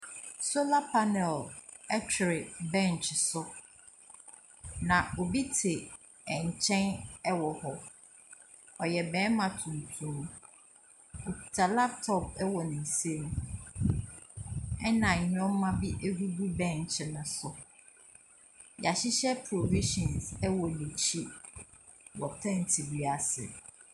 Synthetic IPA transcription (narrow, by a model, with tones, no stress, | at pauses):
so˦la˦pʰa˦nɛ˨l | ɛ˦t͡ɕʰᶣɪ˨ɾɪ˨bɛ̃˦˨n˨t͡ʃɪ˨sʊ˦ | nã˨o˨bi˦tʰe˨ | ɛ˨ɲ˨t͡ɕʰɛ̃˦nɛ˦wɔ˨hɔ˦ | ɔ˨jɛ˨bɛ̃ː˨˦nmã˨tʰũ˨n˨tʰũ˦m˦ | o˨pi˨tʰa˨la˦p̚tʰɔ˨p̚ɛ˦wɔ˨nɪ̃˨n˨se˦m̃˨ | ɛ˦nã˨ɲ˨ɲᶣ˦ɔ̃˦m˦mã˦bi˦ʔe˦hu˦bu˦bɛ̃˦˨ɲ̩˨t͡ɕʰɛ̃˦nʊ̃˨sʊ˨ | ja˨ɕɪ˦ɕɛ˦pʰɾo˨vi˦ʃɔ̃˨nsɛ˦wɔ˨nĩ˨t͡ɕʰi˦ | wɔ˨tʰɛ̃˦˨n˨tʰi˨bi˨a˨sɪ̰˨